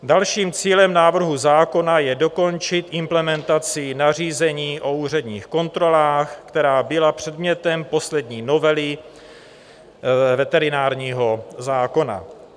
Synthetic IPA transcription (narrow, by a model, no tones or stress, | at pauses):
dalʃiːmt͡siːlɛmnaːvr̩ɦuzaːko̞najɛdo̞ko̞nt͡ʃɪt̪ʔɪmplɛmɛnt̪at͡sɪnar̝iːzɛɲiːʔo̞uːr̝ɛdɲiːxko̞nt̪ɾo̞laːxkt̪ɛɾaːbɪlapr̝̥ɛdmɲɛt̪ɛmpo̞slɛdɲiːno̞vɛlɪ | vɛt̪ɛɾɪnaːɾɲiːɦo̞zaːko̞na̰